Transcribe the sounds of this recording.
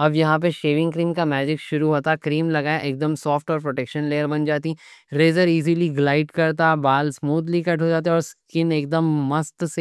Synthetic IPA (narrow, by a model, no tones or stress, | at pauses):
ɐbjɐɦãp̬eʃeːʋɪ̃ŋɡkɾiːmkamɛːd͡ʒɪkʃʊɾuɦoːt̪akɾiːmlɐɡaːaʔeːk̚d̪əmsɔːfʈɔːɾpɾoːʈɛːkʃənleːəɾbɐnd͡ʒaːt̪iɾeːzəɾiːziliɡlaːɪʈkɐɾt̪̬abaːlsmuːd̪likɐʈɦod͡ʒaːt̪̬eeɔːɾskɪneːk̚d̪əmːɐst̪se